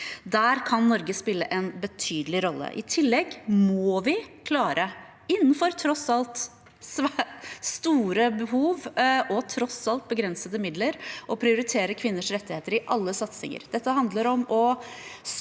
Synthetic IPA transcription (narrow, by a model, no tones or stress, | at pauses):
d̪æːɾkʰɑnːɔɾɡəspɪlːəʔɛnbət̪ʰyːd̪əlɪɾɔlːə̰ʔɪ̰t̪ʰɪlːɛɡmɔʋɪkʰlɑːɾʔə | ɪnːən̩fɔɾt̪ʰɾɔsɑlt̪ | sʋst̪uːɾəbəɦuːʋʔɔt̪ʰɾɔsɑlt̪̚bəɡɾɛnsəd̪əmɪd̪ləɾʔɔpʰɾɪʊɾɪt̪ʰeːɾəkʰʋɪnːəʂɾɛt̪ːɪheːt̪əɾɪʔɑlːəsɑt̪sɪ̰ŋə̰ɾd̪̥ɛt̪ːəɦɑnd̪ləɾɔmɔs